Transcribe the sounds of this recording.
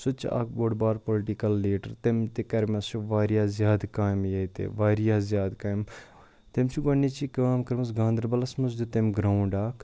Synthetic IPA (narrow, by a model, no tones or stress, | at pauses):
sʊt͡ʃʰa̰ːkʰboːɽbaːɾpolʈikɐlːeːʈəɾt̪emt̪ekɐɾmɐsuʋaːɾjaːzʲjaːd̪kaːjmjɐjt̪ḛʋaːɾijaːzʲjaːd̪kaːjm | t̪emt͡ʃʰiɡɐnːit͡ʃikɐaːmkɐɾmɐsɡãːnd̪ɾbɐlɐsmɐsd̪ut̪emɡɾaːwɳɖaːkʰ